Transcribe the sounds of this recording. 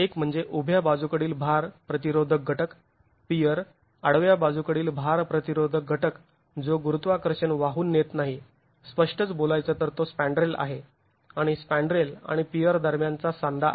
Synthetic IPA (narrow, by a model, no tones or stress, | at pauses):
ekm̤əɳd͡zeʔubʱjabad͡zukəɽiːlbʱaɾpɾət̪iɾod̪ʱək̚ɡʱəʈək | pijəɾ | aɽʋjabad͡zukəɽiːlbʱaɾpɾət̪iɾod̪ʱək̚ɡʱəʈək | d͡zoɡuɾut̪ʋakəɾɕəɳʋaɦuːnːjet̪naɦi | spəʂʈət͡sbolajt͡sət̪əɾt̪ospæ̃ɳɖɾela̰ɦe | aɽ̃ispæ̃ɳɖɾela̰ɽ̃ipijəɾd̪əɾmjant͡sasãnd̪ʱa